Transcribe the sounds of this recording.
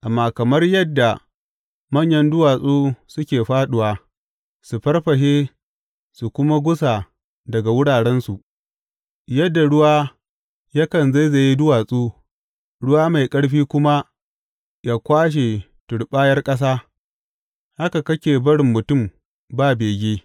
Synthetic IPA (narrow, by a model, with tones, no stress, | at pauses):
ʔa˨mːaː˨kɐ˨mɐ˦rjɐ˦dːa˨ | mɐ˦ɲjɐ˦ndʊ˦waː˨sʼoː˦sʊ˦kʲeː˨ɸaː˦ɗʊ˨waː˨ | su˨ɸɐ˦rɸɐ˨ʃeː˦ | su˨kʷʊ˦ma˦ɡʷʊ˦sa˨ | dɐ˨ɡa˨wʊ˦ɽaː˨ɽɛ˦nsu˨ʔ | jɐ˦dːa˨ɽʊ˦waː˦ | ja˦kɐ˨nza˦jza˨ji˦dʊ˦waː˨sʼuː˦ | ɽʊ˦waː˦ma˨jkʼɐ˦ɽɸiː˦kʷʊ˦ma˦ | jaː˦kʷaː˦ʃ̬e˨ | tʊ˨ɽɓaː˦jɐ˦rkʼɐ˦s̬aː˦ | ha˦ka˨kɐ˦kʲeː˨bɐ˦ɽɪ˨mːʊ˨tʊ˦˨m | baː˦beː˨ɡʲeː˦